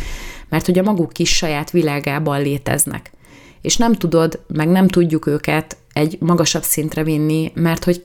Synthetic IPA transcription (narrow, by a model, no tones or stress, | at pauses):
mɛrt̪ho̞ɟɒmɒɡukːiʃːɒjaːt̪ʋilaːɡaːbɒlleːt̪ɛ̰znɛ̰k | eːʃnɛmt̪ud̪o̞d̪mɛɡnɛmt̪uɟːukøːkɛt̪ | ɛɟmɒɡɒʃɒbsint̪rɛvinːimɛrt̪ho̞c